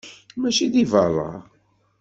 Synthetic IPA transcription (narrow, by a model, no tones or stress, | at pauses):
mæʃiðivɑɾˤə̰